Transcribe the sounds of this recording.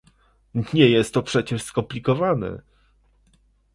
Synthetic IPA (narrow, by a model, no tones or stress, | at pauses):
ɲɛjɛst̪ːɔpʂɛt͡ɕɛʂskɔmplʲikɔvanɛ̰